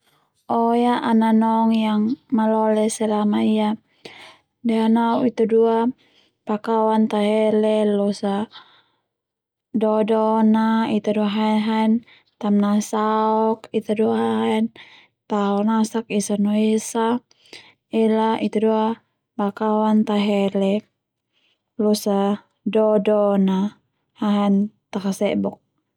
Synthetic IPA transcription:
ɔjaʔananɔŋjaŋmalɔlɛsɛlamaia | dɛanauit̪udua | pakawant̪aɦɛlɛlɔsa | dɔdɔnait̪uduaɦaɛɦaɛn | t̪amnasaɔkit̪aduaɦaɦɛn | t̪aɔnasakisanoisa | ɛlait̪adua | pakawant̪aɦɛlɛ | lɔsa | dɔdɔna | haɦant̪akasɛbɔk̚

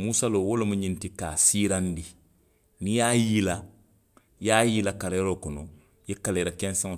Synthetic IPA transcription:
muːsaloːwolomũɲĩntikasiːɾãndi | nĩjaːjila | jaːjilakaɾejɾokɔnɔ | jekaleɾakɛ̃nsãŋ

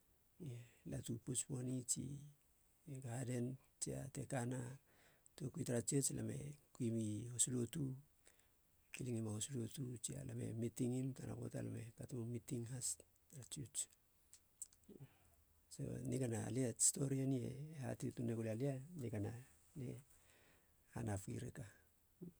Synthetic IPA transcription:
latuput͡ʃpo̞nit͡ʃḭ | ɡahade̞n | t͡ʃia̰te̞kana | tuokuitaɾat͡ʃiet͡ʃlʔame̞̰kuimihosulotu | kiliŋimahosulotut͡ʃia̰lamḛmitiŋimtana̰ko̰ta̰la̰me̞patumumitiŋɦas | ɾat͡ʃiut͡ʃ | so̰niɡanaliasto̞ɾianie̞̰ːha̰tituneɡulialianikana | lḛ | hanapkḭɾḛka

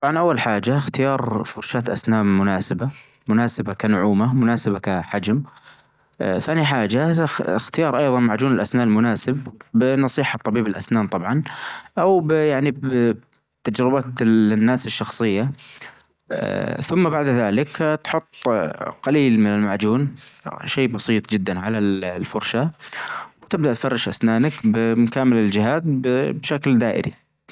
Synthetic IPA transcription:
t̪ˤɑbʕɑnʔawːalħaːd͡ʒaxt̪ɪjɑːɾˤfʊɾˤʃaːt̪ʔa̰snaːmːʊnaːsaba | mʊnaːsabakanʊʕuːmamʊnaːsabakaħad͡ʒm | θaːniħaːd͡ʒaɪxt̪ɪjɑːɾˤʔɑjðˤɑnmaʕd͡ʒuːnɪlʔasnaːʔlmʊnaːsɪbːɪnɑsˤiːħɑt̪ˤːɑbiːbɪlʔa̰snaːnt̪ˤɑbʕɑnʔawbjaʕnib | t̪ad͡ʒɾɪbat̪nːaːsɪʃːɑxsˤɨjːa | θʊmːabaʕd̪ðaːlɪkt̪ħʊt̪ˤːqaliːlmɪnɪlmaʕd͡ʒuːnʃeːbɑsˤiːt̪ˤd͡ʒɪd̪ːanʕalalfʊɾˤʃa | wt̪ɪb̚d̪aʔt̪fɑrˤːɑʃʔa̰snaːnakbɪmkaːmɪlɪld͡ʒɪɦaːt̪bbʃakld̪aːʔɪ̰ɾḭ

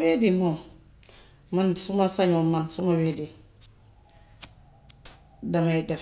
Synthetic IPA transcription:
wedimo | mansumasaɲomansumawedi | damada

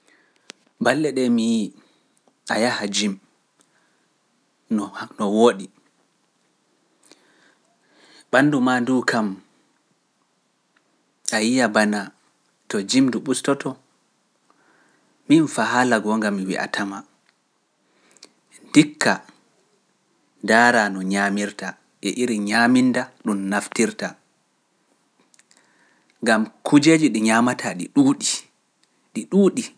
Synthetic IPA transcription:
balːɛɗɛmiji | ajahad͡ʒim | nnɔwoːɗi | ɓanːdumanduːkʰam | ʔajijabana | tɔd͡ʒimduɓustɔtɔ | minfaɦalaɡɔŋɡamːiwḭʔa̰tʰama | ndikʰːa | daːɾanɔɲaːmiɾta | ʔɛʔiɾiɲamindaɗumnaftiɾta | ŋɡamkʰud͡ʒed͡ʒiɗiɲamatʰaɗiɗuɗi | ɗiɗuːɗi

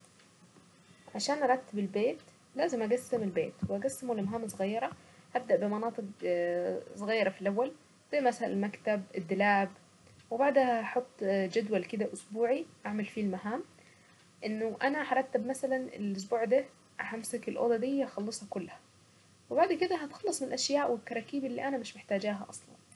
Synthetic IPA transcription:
ʕaʃæːnʔɑɾˤɑt̪ːebelbeːt̪ | læːzemʔæɡæsːemelbeːt̪weæɡæsːemolːemɦaːmsˤɣɑjːɑɾˤɑhæb̚d̪æʔbemɑnɑːt̪ˤɨq | sˤɣɑjːɑɾˤɑfilʔæwːæl | d̪̥eːmæsæ̰lmækt̪æbed̪ːelaːʕb | webaʕd̪hæħot̪ˤːd͡ʒad̪walkɪd̪aʔʊsbuːʕiʔaʕmalfiːlmaɦaːm | ʔɪnːʊʔanaħɑɾˤɑt̪ːabmasalanɪ̰lʔʊs̬buːʕd̪a | ʔhamsakɪlʔo̰ːd̪ɑd̪ɪjːaxɑlːɨsˤhɑkʊlːhḁ | wɪbaʕd̪kɪd̪æɦæt̪xɑlːɑsˤmɪnɪlʔaʃjaːʔwɪlk̪ɑɾˤɑːkiːbɪlːḭːʔanamɪʃmɪħt̪aːd͡ʒaːɦa̰ʔɑsˤlɑ̰n

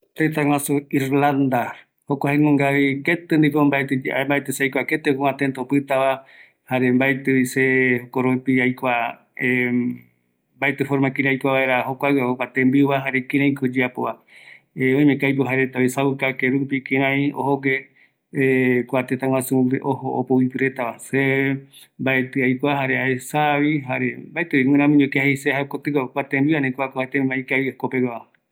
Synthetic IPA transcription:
t̪et̪aŋw̃ãsuiɾland̪a | hokʷahenõŋɡaβiket̪end̪ikombaet̪ed͡ʒmbaet̪eseajkʷaket̪ekoãt̪ent̪opɨt̪aβa | haɾembaet̪eisehokoɾopiajkʷa | e | mbaet̪efoɾmakĩɾẽajkʷaβaeɾaɦokʷaɨaokat̪ẽmbiβaɦaɾekiɾãĩkod͡ʒeapoβa | eõĩmẽkajpɨɦaɾet̪aβisaβukakeɾupikĩɾ̃ãĩo̰hoɡe | kʷat̪et̪ãw̃ãsueʔoho̰ːpowipɨɾe̞t̪aβase | mbaet̪ɨajkʷaɦaɾeaesaβiɦaɾebaet̪ɨiwĩɾãmũɲõkeahesehakot̪ɨkokʷat̪ẽmbianẽkʷakohaet̪eaikaikopewaβa

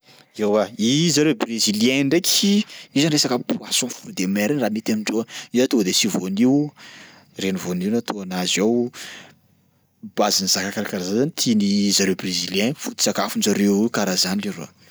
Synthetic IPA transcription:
ewaizaɾebreziljɛ̃ɳɖ͡ʐekʲiizanresakəpuasɔ̃fuɾd̪emɛɾinramit̪amiɳɖ͡ʐoizat̪od̪esivoniw | renivoniwnat̪ʰoanazaw | b̥azinizakakaɾakaɾazanzanit̪ʰinizaɾebreziljɛ̃fut̪i̥sakafund͡ʒaɾewkaɾazaniliɾo̰

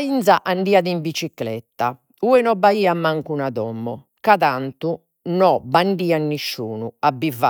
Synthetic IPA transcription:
int̪saʔaɳɖiːaðiɱbit͡ʃiklɛ̰t̪ːa | uːɛnɔbaiːamaŋkunaðɔmːɔ | kaðant̪u | nɔbaɳɖiːanːiʃːuːnuabiva

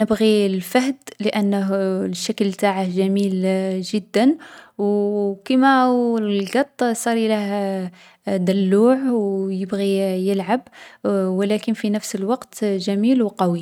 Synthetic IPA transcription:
nəbɣilfahd̪ləʔænːəɦʃːaklt̪aʕəhʒæmilʒəd̪ːənwkimællɡɑt̪ˤːsˤɑɾilæh | d̪ælːuːʕwjəbɣijəlʕabwəlækənfinəfsəlwɑqt̪ʒæmilwqɑwi

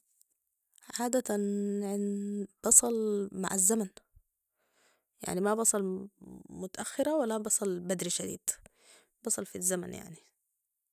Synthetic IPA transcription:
ʕaːd̪at̪anʕnb̥ɑsˤɑlma̰ʕazːaman | ja̰ʕnimabɑsˤɑl | mʊt̪aʔaxːɪɾawalːabɑsˤɑlbad̪ɾiʃad̪ḭːd̪̥ | bɑsˤɑlfizːama̰nja̰ʕni

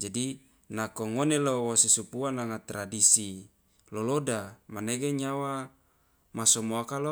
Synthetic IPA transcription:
d͡ʒadi | nakoŋonelowosesupuanaŋat̪ɾadisi | lolodamaneɡeɲawa | masɔmoakalo

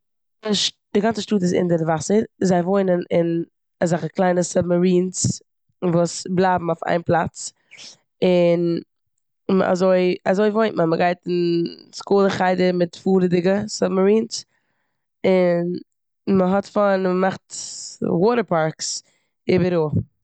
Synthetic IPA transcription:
ɪʃ | d̥ɪɡant͡səʃtuːtɪsɪ̰ndəɾvasəɾzaɪvoɪnənɪn | azaχəklˠaɪnəsabmaɾiːns | vuːsblˠaːbm̩aʊfa̰ɪnplˠat͡s | ɪn | ma̰zoɪa̰zoɪvoɪntmaməɡaɪtɪnskuːlˠəχaɪdəɾmɪtfuːɾdɪɡəsabmaɾiːns | ɪn | məɦɔtfɔnməmaχtwɔːɾəɾpaɾks | ɪːbəɾu

